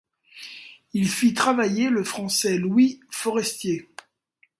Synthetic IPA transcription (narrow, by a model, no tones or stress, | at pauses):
ilfit̪χavajeləfχɑ̃sɛlwifɔʁɛst̪je